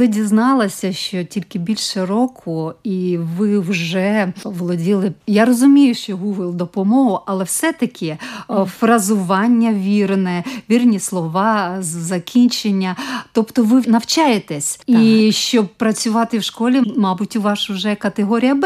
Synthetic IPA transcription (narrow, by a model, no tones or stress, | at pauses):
ɪdʲiznɑlˠɐsʲɐʃt͡ʃɔtʲilʲkɪbʲilʲʃeɾɔkʰʊiʋɪwʒɛʋɔlˠɔdʲilˠɪjaɾɔzʊmʲijʊʃt͡ʃɔɦuɦɪlˠd̪ɔpɔmɔɦʊʔɐlˠɛwsɛt̪ɐkʲʰɪfrɐzʊʋɑnʲːɐʋʲirnɛʋʲirnʲislˠɔʋɑzɐkʲʰinʲt͡ʃenʲːɐt̪ɔpt̪ɔʋɪnɐwt͡ʃajet̪ɛsʲiʃt͡ʃɔb̚pɾɐt͡sʲʊʋɑt̪ɪwʃkɔlʲimɑbʊtʲʊʋɑʃwʒɛkɐt̪eɦɔɾʲijɐb